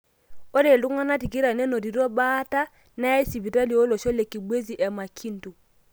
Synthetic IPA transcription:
o˦ɾe˨lu˦ŋa˦na˦ti˨ki˦ɾa˨nɛ˦nɔ˨ɾi˨ɾɔ˦ba˦ta˦ | na˦ɛ˦si˨bi˨ta˦li˨ɔ˦lɔ˨ʃɔ˦lɛ˨ki˨bwe˦zi˨ʔɛ˨ma˨kʰi˦n˦tu˨

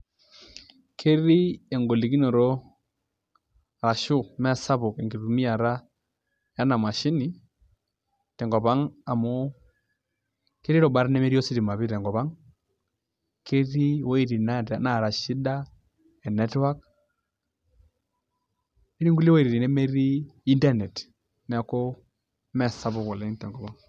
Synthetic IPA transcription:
kʰe˦ɾi˦ɛ˨ŋɡo˨li˨ki˦nɔ˨ɾɔ˦˨ | ɾa˨ʃʊ˦˨mɛ˦sa˦βʊ˨kɛ˨ŋɡi˨ɾu˨mi˦a˨ɾa˦ | ja˦na˨ma˨ʃi˦ni˨ | tɛ˨ŋɡɔ˨pa˦ŋa˨mo˦ | ke˦ɾi˦ɾɔ˨ba˦ɾnɛ˦me˦ɾi˦o˦si˦ɾi˨ma˨βi˦tɛ˨ŋɡɔ˨pa˦ŋ | ke˦ɾi˦wɔ˦i˨ɾi˨na˦ta˨na˨ɾa˨ʃi˦da˦ | ɛ˨nɛ˦twa˦k̚ | e˦ɾi˦ŋɡu˦li˦wɔ˦i˨ɾɾi˨nɛ˦me˦ɾi˦i˦ndɛ˦nɛ˨t | nɛ˨a˨˦kɔ˦ | mɛ˦˨sa˦βʊ˦kɔ˨lɛ˨˦tɛ˨ŋɡɔ˨βa˦ŋ

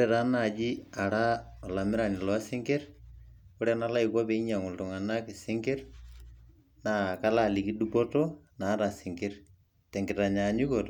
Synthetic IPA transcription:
oɾɛɾa˦na˨d͡ʒi˦a˨ɾa˦ɔ˨la˨mɪ˦ɾa˨nɪ˨lɔ˨a˦sɪ˦ŋɡe˦r | o˦ɾɛ˦na˦la˦ɪkwa˦pe˨i˦ɲa˨ŋʊ˨ltʊ˨ŋa˨na˦kɪ˨sɪ˦ŋɡe˦r | na˨ka˦la˨li˨ki˦dupɔ˦tɔ˦na˨˦ɾa˨sɪ˨ŋɡe˦r | tɛ˨ŋɡɪ˨ta˨ɲaɲu˦kɔ˨tɔ

